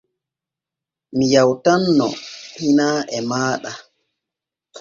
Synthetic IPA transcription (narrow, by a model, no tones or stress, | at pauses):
mijawtanːɔ̰hinaːʔɛmaːɗa